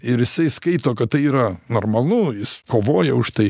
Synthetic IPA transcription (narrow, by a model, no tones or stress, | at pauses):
ɪɾjɪsɐɪskɐɪt̪oːkɐt̪t̪ːɐɪiːɾɐnoːrmɐlˠʊjɪskoːʋoːjɛʊʃt̪ɐɪ